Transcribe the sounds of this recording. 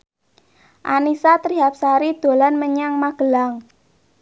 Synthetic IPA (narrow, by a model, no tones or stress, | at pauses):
ʔanisat̪ɾiɦap̚saɾid̪̥o̤lanməɲaŋmaɡ̥ə̤laŋ